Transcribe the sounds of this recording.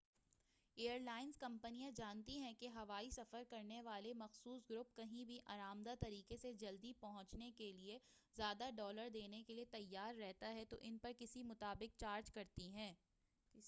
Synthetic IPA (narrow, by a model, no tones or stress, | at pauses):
eːəɾlaːɪnzkɐ̃mpənijãd͡ʒaːnt̪iɦɛ̃keɦɐʋaːisɐfəɾkɐɾneʋaːlemɐxsuːsɡɾʊp̚kɐɦĩbʱiʔaːɾaːmd̪at̪ɐɾiːqesed͡ʒɐld̪ipɐɦʊ̃t͡ʃnekelie | zjaːd̪aɖɔːləɾd̪eːnekeliet̪ɐjːaːɾːɛɦt̪aɦɛt̪oʔɪnpɐɾkɪsimʊt̪aːbɪk̚t͡ʃaːɾd͡ʒkɐɾt̪iɦɛ̃ː